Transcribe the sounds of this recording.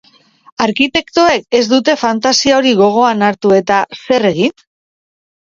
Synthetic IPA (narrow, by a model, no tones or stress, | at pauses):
aɾkit̪e̞kt̪oe̞ke̞zd̪ut̪e̞fant̪asiao̞ɾiɣ̞o̞ɣ̞o̞anaɾt̪ue̞t̪ase̞re̞ɣ̞in